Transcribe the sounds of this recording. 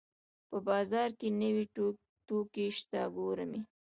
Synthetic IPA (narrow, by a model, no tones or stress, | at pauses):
pəbɑzɑɾkenəwi | ʈokeʃt̪aɡoɾəmi